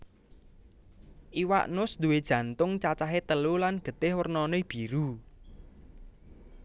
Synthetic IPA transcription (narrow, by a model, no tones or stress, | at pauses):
ʔiwa̰ʔnʊsd̪ṳwed̥ʒ̥ä̤nt̪ʊŋt͡ʃat͡ʃaɦet̪əlulanɡ̥ə̤t̪ɪhwərnɔneb̥iɾu